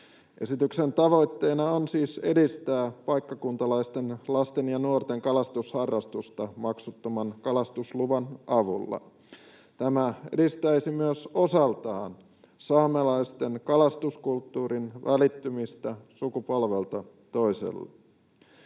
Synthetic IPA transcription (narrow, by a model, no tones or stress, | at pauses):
ʔe̞sit̪yksent̪ɑʋo̞jt̪ːe̞ːnɑonsiːse̞dist̪æːpɑjkːɑkunt̪ɑlɑjst̪e̞nlɑst̪e̞njɑnuort̪e̞ŋkɑlɑst̪ushɑrːɑst̪ust̪ɑmɑksut̪ːomɑnkɑlɑst̪usluʋɑnʔɑʋṵlːɑ̰ | t̪æmæedist̪æisimyøso̞sɑlt̪ɑːn | sɑːmelɑjst̪e̞nkɑlɑst̪uskult̪ːuːɾinʋælit̪ːymist̪æsukupo̞lʋe̞lt̪ɑ | t̪o̞jsḛlːɑ̰